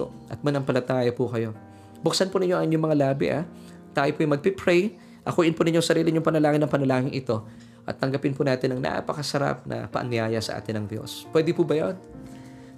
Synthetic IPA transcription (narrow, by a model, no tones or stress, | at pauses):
o | ʔɐt̪̚mɐnɐŋpɐlɐt̪aːjɐpʊkɐjo̞ | bʊksɐnpʊnɪɲːoʔɐŋɪɲːomɐŋalaːbɪ̰ʔa̰ | t̪aːjopʊjmɐɡ̚pipɾɛj | ʔɐkuːʔɪnpʊnɪɲːoŋsɐɾiːlɪɲʊŋpɐnɐlaːŋɪnɐŋpɐnɐlaːŋɪŋʔɪt̪o̞ | ʔɐ̰t̪ːɐŋɡɐpɪnpʊnaːt̪ɪnɐŋnʔa̰ʔpɐkɐsɐɾa̰p̚nʔɐ̰pɐ̰ʔɐ̰nɪjaːjɐsɐʔa̰ːt̪ɪnːɐŋd̪jo̞̰spwɛd̪ɪpʊbɐjon